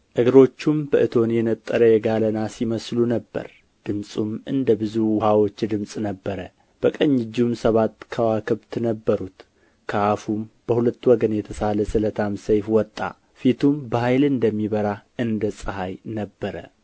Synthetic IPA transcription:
ʔɨɡɾo̞t͡ʃːumbəʔɨt̪ʰo̞njɛnət̪ʼːəɾəjɛɡalənasiməslunəbːə̰ɾ | d̪̥ɨmsʼumɨnd̪əbɨzuwhawo̞t͡ʃːd̪ɨmsʼnəbːəɾə | b̥əkʼəɲːɪd͡ʒːumsəβat̪ːkʰəwakʰɨβt̪ʰnəbːəɾut̪ | kʰəafumb̥əhulət̪ːwɔɡənjɛt̪ʰəsaləsɨlət̪ʰamsəjfwɔt̪ʼːa̰ | fit̪ʰumbəhajlɨnd̪əmːiβəɾaʔɨnd̪əsʼɨɦajnəbːəɾə̰

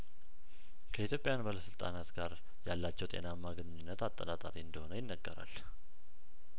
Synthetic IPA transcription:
kʰəit̪ʰjo̞pʼjanbaləsɨlt̪ʼa̰nat̪ɡaɾ | jalːat͡ʃːɛwt̪ʼe̞̰namːaɡənɨɲɨnːət̪at̪ʼːənat̪ʼa̰ɾiɨnd̪əho̞nəjɪnːəɡːəɾa̰l

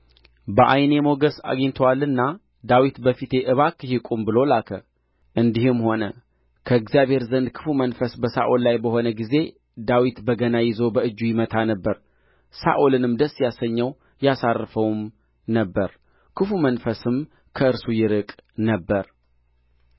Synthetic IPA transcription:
bəʔa̰jne̞mo̞ɡəsa̰ɡeɲt̪ʰəwalɨnːa | d̪awit̪bəfit̪ʰe̞ʔɨβakʰːɨhikʼumbɨlo̞lakʰə | ʔɨnd̪ihɨmho̞nə | kʰəɨɡzijaβhe̞ɾzənd̪kʰɨ̥fumənfəsbəsaʔollajbəho̞nəɡize̞ | d̪awit̪bəɡənajɪzo̞bəɨd͡ʒːujɪmət̪ʰanəbːəɾ | sa̰ʔolɨnɨmd̪əsːjasəɲːəw | jasarːfəwm | nəbːəɾ | kʰɨfumənfəsɨm | kʰəɨɾsujɪɾɨkʼnəbːəɾ

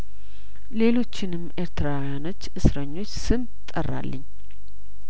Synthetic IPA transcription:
le̞lo̞t͡ʃːɪnɨmːʔe̞ɾt̪ʰɨɾawjano̞t͡ʃːʔɨsɾəɲːo̞t͡ʃːsɨn | t̪ʼːərːa̰lːəɲː

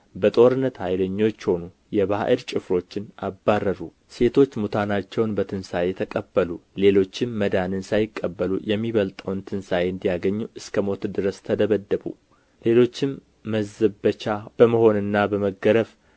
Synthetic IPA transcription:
bət̪ʼo̞ɾɨnːət̪hajləɲːo̞t͡ʃːho̞nu | jɛβa̰ʔəɾt͡ʃʼɪfɾo̞t͡ʃːɪnabːarːəɾu | se̞t̪ʰo̞t͡ʃːmut̪ʰanat͡ʃːɛwnbət̪ʰɨnsajɛt̪ʰəkʼəbːəlule̞lo̞t͡ʃːɪmːəd̪anɨnsajɪkʼːəbːəlṵjɛmːiβəlt̪ʼəwnt̪ʰɨnsajɨnd̪ijaɡəɲːuʔɨskʰəmo̞t̪d̪ɨɾəst̪ʰəd̪əβəd̪ːəβṵ | le̞lo̞t͡ʃːɪmː | əzːəət͡ʃab̥əməho̞nɨnːabəməɡəɾəf

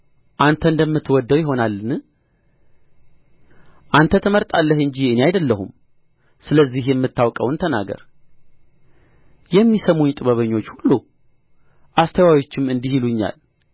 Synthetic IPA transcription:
ʔant̪ʰəɨnd̪əmːɨt̪ːwɔd̪ːəwjɪɦo̞nalːɨnɨ | ʔant̪ʰət̪ʰəməɾt̪ʼalːəhɨɲd͡ʒiɨneajd̪əlːəɦum | sɨləzːihjɛmːɨt̪ːawkʼəwnt̪ʰəna̰ɡə̰ɾ | jɛmːisəmuɲt̪ʼɨβəβəɲːo̞t͡ʃːhulːu | ʔast̪ʰəwawo̞t͡ʃːɪmɨnd̪ihiluɲːa̰l

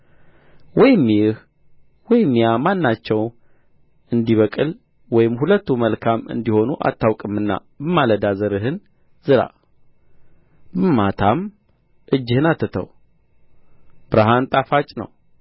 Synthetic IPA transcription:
wɔjɪmːjɪh | wɔjɪmːjamanːat͡ʃːɛw | ɨnd̪iβəkʼɨl | wɔjɪmhulət̪ːuməlkʰamɨ̰nd̪iho̞nuʔa̰t̪ːawkʼɨmɨnːa̰ | bəmaləd̪azəɾɨɦɨn | zɨɾa̰ | bɨmːat̪ʰam | ʔɨd͡ʒːɪhɨnat̪ʰːɨt̪ʰə̰w | b̥ɨɾaɦant̪ʼafat͡ʃʼnə̰w

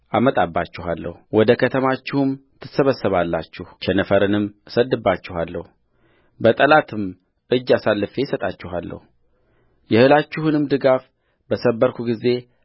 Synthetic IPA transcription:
ʔamət̪ʼabːat͡ʃːɪhalːə̰huwɔd̪əkʰət̪ʰəmat͡ʃːɪhumt̪ʰɨsəβəsːəβalːa̰t͡ʃːɪht͡ʃʰɛnəfəɾɨnɨmsəd̪ːɨbːat͡ʃːɪhalːə̰hu | bət̪ʼəlat̪ʰɨm | ʔɨd͡ʒːasalːɨfe̞jsət̪ʼat͡ʃːɪɦalːə̰hu | jɛhɨlat͡ʃːɪhunɨmd̪ɨɡaf | bəsəbːəɾkʰuɡize̞

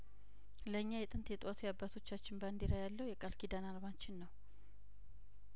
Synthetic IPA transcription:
ləɨɲːajɛt̪ʼɨnt̪ʰjɛt̪ʼwat̪ʰujabːat̪ʰo̞t͡ʃːat͡ʃːɪnband̪iɾajalːəwjɛkʼalkʰid̪analmat͡ʃːɪnːəw

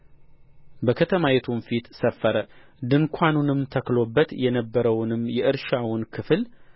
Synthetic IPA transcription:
bəkʰət̪ʰəmajɛt̪ʰumfit̪səfːəɾəd̪ɨŋkʷʰanunɨmt̪ʰəklo̞bːət̪jɛnəbːəɾəwnɨmjɛʔɨɾʃawʊnkʰɨfl

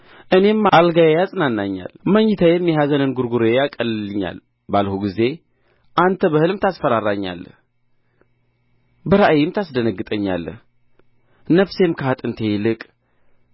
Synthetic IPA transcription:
ʔɨne̞malɡajejazʼnanːaɲːa̰lməɲːɪt̪ʰəjɛmːɛɦazənɨnɡuɾɡuɾejakʼəllɨɲːa̰l | balhuɡize̞ | ʔant̪ʰəbəhɨlɨmt̪ʰasfəɾaɾaɲːa̰l | bəɾaʔjɪmt̪ʰasd̪ənəɡːɨt̪ʼəɲːa̰lːə | nəβse̞mkʰəhat̪ʼɨnt̪ʰe̞jɪlɨkʼ

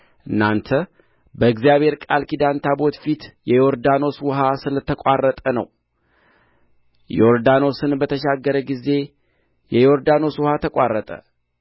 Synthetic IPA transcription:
ʔɨnːant̪ʰə | bəɨɡzijaβhe̞ɾkʼalkid̪ant̪ʰabo̞t̪fit̪jɛjo̞ɾd̪ano̞swɦasɨlət̪ʰːəkʷʼarːət̪ʼənə̰w | joɾd̪ano̞sɨnbət̪ʰəʃaɡːəɾəɡize̞ | jɛjo̞ɾd̪ano̞swhat̪ʰəkʷʼarːət̪ʼə̰

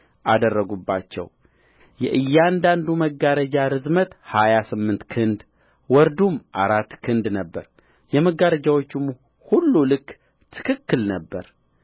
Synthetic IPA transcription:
ʔad̪ərːəɡubːa̰t͡ʃːɛ̰w | jɛ̰ʔɨjːand̪and̪uməɡːaɾəd͡ʒaɾɨzmət̪hajasɨmːɨnt̪kʰɨnd̪ | wɔɾd̪umʔaɾat̪ːkʰɨnd̪nəbːəɾ | jɛməɡaɾəd͡ʒawot͡ʃːɪm | hulːulɨkː | t̪ʰɨ̥kʰɨkːɨlnəbːəɾ

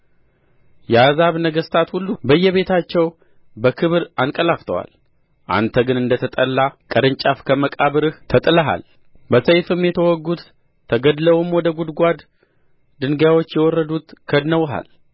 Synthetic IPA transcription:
jɛazaβnəɡəst̪ʰat̪hulːubəjːɛβe̞t̪ʰat͡ʃːɛw | bəkʰɨβɾankʼəlaft̪ʰəwa̰l | ʔa̰nt̪ʰəɡɨnɨnd̪ət̪ʰət̪ʼəlːakʼəɾɨnt͡ʃʼafkʰəməkʼaβɨɾɨht̪ʰət̪ʼɨləɦa̰l | bəsəjfɨmjɛt̪ʰəwɔɡːut̪ʰː | əɡəd̪ləwumwɔd̪əɡud̪ɡʷad̪ | d̪ɨŋɡjawot͡ʃːjɛwɔrːəd̪ut̪kʰəd̪nəwɦa̰l

